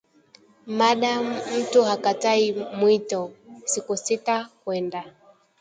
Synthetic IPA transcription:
maɗam̩tuhakataimwitɔsikusitakwɛnda

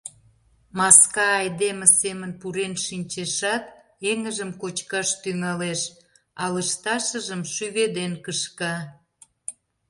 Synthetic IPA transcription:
mɑskɑːjd̪eməsemənpuɾenʃinʲt͡ɕeʃɑt̪ | eŋəʒəmkot͡ɕkɑʃt̪yŋɑleʃ | ɑləʃt̪ɑʃəʒəmʃyβed̪enkəʃkɑ

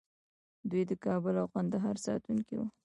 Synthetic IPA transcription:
d̪ujd̪əkɑbʊlawkand̪aɦɑɾsɑ̰t̪uŋkiwṵ

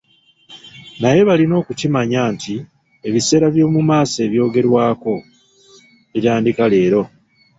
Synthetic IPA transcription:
naje̞βalino̞ːkucimaɲaːntʰi | e̞βise̞ːɾaβjo̞ːmumaːse̞ːβjo̞ːɡe̞ɾwaːko̞ | iɾaːndikale̞ːɾo̞

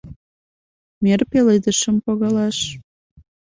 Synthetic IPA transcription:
merpeled̪əʃə̆mpoɣɑlɑʃ

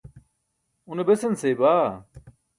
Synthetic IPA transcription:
unebesɐnseːbaː

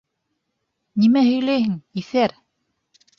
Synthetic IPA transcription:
nimæhɵ̆jlæjhɘŋiθæɾ

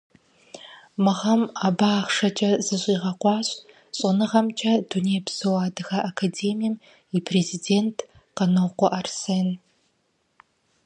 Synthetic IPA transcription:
mɨʁɐmaːbaːχʂɐt͡ʃʼɐzɨɕʷʼiːʁɐqʷɑːɕʼ | ɕʼɪnɨʁɐmt͡ʃʼɐduneːbsɨwaːdɨxɐʔakʰadeːmijɛm | ipʰrezideːntʰ | qɐnɐwqʷɔʔarseːn

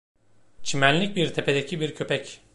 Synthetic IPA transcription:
t͡ʃʰimænlʲːic̚biɾt̪ʰe̞pe̞d̪ecʰibiɾcʰø̞pɛc

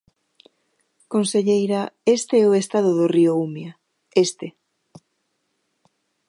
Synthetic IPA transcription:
konseʎejɾaest̪eɛoest̪aðʊðʊrioumja | est̪e

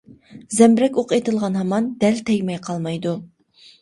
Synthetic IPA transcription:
zɛmɾɛkʲoqet̪ʰɨlˠʁɑnɦɑmɑnd̪ɛlt̪ʰɛjʲmɛjqʰɑlˠmɑjd̪u

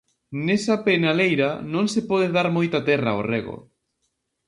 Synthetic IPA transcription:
nesɐpenalejɾanõŋsepɔðeðaɾmojt̪ɐt̪ɛraoreɣo̰

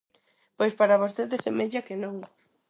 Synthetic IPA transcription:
pojspaɾaβ̞ost̪eðesemeʎakenõŋ

